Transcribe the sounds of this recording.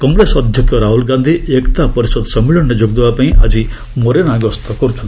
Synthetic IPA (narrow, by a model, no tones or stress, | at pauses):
kɔŋɡɾesɔd̪ʱjɔkjɔɾaɦulɡand̪ʱiekt̪apɔɾisɔd̪sɔmːiɭɔnned͡ʒoɡd̪ebapaĩʔa̰d͡ʒi | mɔɾenaɡɔst̪ɔkɔɾut͡ʃʰɔnt̪i